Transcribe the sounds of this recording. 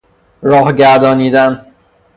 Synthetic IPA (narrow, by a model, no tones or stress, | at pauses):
ɾɒːhɟæɾd̪ɒːniːd̪æn